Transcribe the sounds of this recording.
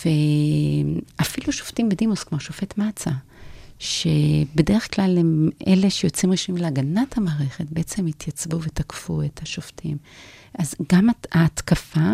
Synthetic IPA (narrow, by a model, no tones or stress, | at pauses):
ve | ʔafiluʃoftimbedimuskmoʃofe̞tmat͡sa | ʃebede̞ʁeχklalemḛle̞ʃejo̞t͡simʁiʃmimleaɡanathamaːʁe̞χe̞t̚beʔet͡se̞mit̪ʰjat͡sbuvetakfuetʰaʃoftʰimʔazɡamaaːtkafa